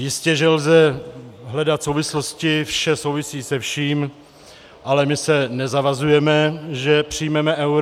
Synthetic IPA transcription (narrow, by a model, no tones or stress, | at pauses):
jɪscɛʒɛlzɛɦlɛdat̪sowvɪsloscɪfʃɛsowvɪsiːsɛfʃiːm | ʔalɛmɪsɛnɛzavazujɛmɛʒɛpr̝̥ɪjmɛmɛʔɛwɾ